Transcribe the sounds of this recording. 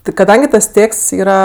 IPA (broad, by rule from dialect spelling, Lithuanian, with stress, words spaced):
tʲɪ kɐˈdɐŋʲɡʲɪ tɐs ˈtʲeːksts ˈiːrɐ